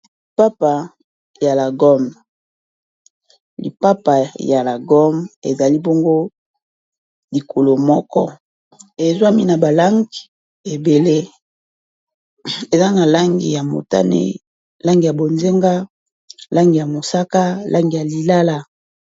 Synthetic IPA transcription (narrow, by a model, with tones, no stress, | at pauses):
li˨pa˦pa˨ | ja˨la˨ɡɔ˦m | lḭ˨pa˦pa˨ja˨la˨ɡɔ˦mḛ˨za˨li˦bo˦ŋɡo˦ | li˨ko˨lo˨mɔ˦kɔ̰˦ | e˨zwa˦mi˦na˨ba˨la˦ŋɡi˨ | e˨be˨le˦ | e˨za˦na˨la˦ŋɡḭ˨ja˨mo̰˨ta̰˦nḛ˦ | la˦ŋɡi˨ja˨bo˨nze˦ŋɡa˦ | la˦ŋɡi˨ja˨mo˨sa˦ka˦lʔa˦ŋɡi˨ja˨li˨la˦la˦